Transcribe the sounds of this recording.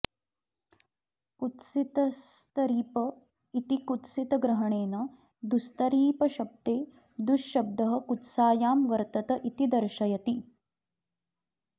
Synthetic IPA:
ut̪sit̪ɐst̪ɐɾiːpɐ | it̪ikut̪sit̪ɐɡɾɐɦɐɳeːnɐ | d̪ust̪ɐɾiːpɐʃɐb̚t̪eː | d̪uʃːɐb̚d̪ɐɦɐ̆kut̪saːjaːmʋɐɾt̪ɐt̪ɐʔit̪id̪ɐɾʃɐjɐt̪i

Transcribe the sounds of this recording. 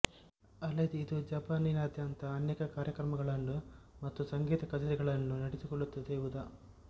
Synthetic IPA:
ɐlɐd̪iːd̪ud͡ʒɐːpaːninɐːd̪ʱjaːnt̪ɐːnjeːkɐkaːɾjɐkɾɐmɐɡɐɭɐnːumɐt̪ːusɐŋɡiːt̪ɐkɐt͡ʃɐɾiɡɐɭɐnːunɐɽisukɔɭːut̪ːɐd̪eiʋud̪ɐ

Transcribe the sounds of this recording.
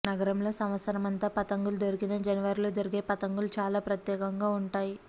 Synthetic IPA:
nɐɡɐɾɐmlo̞ːsɐmʋɐt̪sɐɾɐmɐnt̪aːpɐt̪ɐŋɡulud̪oɾikinɐd͡ʒɐnɐʋɐɾiloːd̪oɾuɡe̞ːpɐt̪ɐŋɡulut͡ʃaːlaːpɾɐt̪jɛːkɐŋɡaːuɳʈaːji

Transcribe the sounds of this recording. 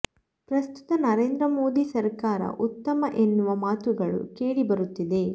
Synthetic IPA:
pɾɐst̪u̥t̪ɐnɐɾe̞ːnd̪ɾɐmo̞ːd̪isɐɾkaːɾɐ̰ʔut̪ːɐmɐʔe̞nːuʋɐmaːt̪uɡɐɭṵkeːɽibɐɾut̪ːid̪e̞

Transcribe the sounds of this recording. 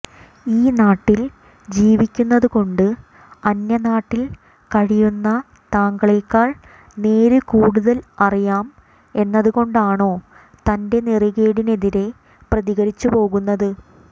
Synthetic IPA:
iːnaːʈːil | d͡ʑiːʋikʲːunːɐðuko̞ɳɖɨ | ɐnjɐnaːʈːil | kɐɻijunːɐ | t̪aːŋɡɐɭilkaːɭ | ne̞ːɾɨkuːɽuðɐlɐrijaːm | e̞nːɐðuɣo̞ɳɖaːɳo̞ː | t̪ɐnde̞niriɣeːɽine̞ðiɾe̞ | prɐðiɣɐɾit͡ɕːupo̞ːɣunːɐðɨ

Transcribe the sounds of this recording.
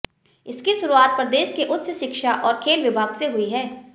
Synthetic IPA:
ɪskiʃʊɾuaːt̪̚pɾɐd̪eːʃkeʔʊt̪səʃɪkʃaʔɔːɾkʰeːlʋɪbʱaːɡseɦʊiɦɛː

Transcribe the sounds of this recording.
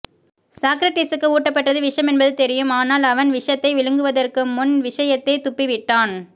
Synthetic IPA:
saːkɾɐʈɐɪsɯkːɯuːʈːɐpːɐʈrɐðɯʋɪʂɐmɛnbɐðɯt̪ɛɾɪjɯmaːnaːlɐʋɐnʋɪʂjɐt̪ːɐɪʋɪɻɯŋɡɯʋɐðɐrkɯmʊnʋɪʂɐjɐt̪ːɐɪt̪ʊpːiʋɪʈːaːn

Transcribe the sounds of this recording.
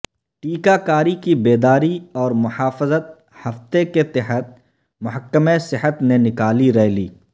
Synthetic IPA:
ʈiːkakaːɾikibeːd̪aːɾiɔːɾmʊhaːfɪzət̪̚ | hɐft̪eket̪ɪɦət̪̚ | mʊɦəkːəmesɪɦət̪nenɪkaːliɾɛɦliː

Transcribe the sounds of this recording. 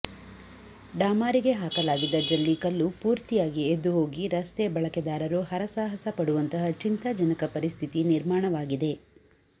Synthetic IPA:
ɖaːmaːɾiɡe̞ɦaːkɐlaːɡid̪ɐd͡ʒɐlːikɐlːupuːɾt̪ijaːɡied̪ːuɦo̞ːɡiɾɐst̪ebɐɭɐkɛd̪aːɾɐɾuɦɐɾɐsaːɦɐsɐpɐɽuʋɐnt̪ɐɦɐt͡ʃint̪ɐd͡ʒɐnɐkɐpɐɾist̪ʰit̪iniɾmaːɳɐʋaːɡid̪e̞

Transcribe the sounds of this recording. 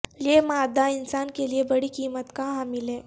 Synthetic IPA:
lemad̪ainsankeliebəɽ̤iːkiːmət̪kaɦamilẽ

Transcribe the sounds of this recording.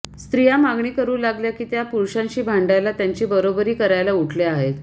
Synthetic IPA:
st̪ɾijamaɡɳiːkəɾuːlaɡljakiːt̪japuɾɕãɲɕiːbʱaɳɖajlat̪jaɲt͡ɕiːbəɾobəɾiːkəɾajlauʈʰleaɦet̪

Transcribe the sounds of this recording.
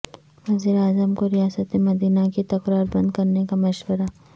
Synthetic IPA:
ʋɐziːɾeaːzəmkoɾijaːsət̪emɐd̪iːnakit̪ɐkɾaːɾbɐ̃nd̪kɐɾnekamɐʃwəɾa

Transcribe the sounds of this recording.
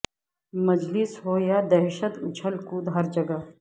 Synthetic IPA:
mɐd͡ʒlɪsɦoːjaːd̪ɛːʃət̪ʊt͡ʃʰəlkuːd̪ɦɐɾd͡ʒɐɡɐ

